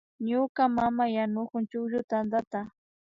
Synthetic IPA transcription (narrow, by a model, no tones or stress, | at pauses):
ɲʊkamamajanʊkʊnt͡ʃʊkʒʊt̪and̪at̪a